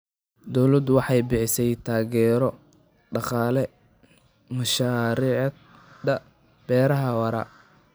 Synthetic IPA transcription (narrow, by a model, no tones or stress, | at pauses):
d̪ɔwlɐd̪wɑħɑjbɪħɪsɛjt̪ʰaːɣɛːɾɔ | ɖɑqɑːlɛ | mɐʃaːɾiːʕ | d̪ɐ | b̥ɛːɾɐɦɐwɐɾɐ̰